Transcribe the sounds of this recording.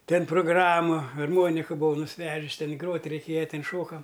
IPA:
ˈtʲɛn proːɡˈrɑːmʊ ɐrˈmoːnʲɪkɐ bʊˈʋɐʊ nʊsʲˈʋʲæːʒʲɪs ˈtʲɛn ˈɡroːtʲ rʲɛɪˈkʲeːjɛ ˈtʲɛn ˈʃoːkɐm

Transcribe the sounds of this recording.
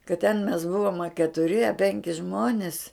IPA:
kɐt tʲɛn mʲɛs ˈbʊʋoːm ɐ kʲɛtʊˈrʲɪ ɐ ˈpʲɛŋʲkʲɪ ˈʒmoːnʲɪs

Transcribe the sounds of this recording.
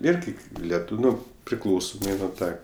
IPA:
ˈɪrʲɡʲɪ lʲɛˈtuːw ˈnoː pʲrʲɪˈklˠɐʊsoːmɐɪ nʊ ˈtɑː

